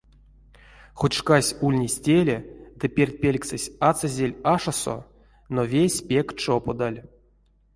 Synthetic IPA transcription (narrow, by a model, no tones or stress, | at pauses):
χut̪ʲʂkasʲulʲnʲisʲtʲelʲed̪ɨpʲerʲt̪̚ʲpʲelʲksɨsʲat͡sazʲelʲaʂaso̰ | novʲesʲpʲekt͡ʂopod̪alʲ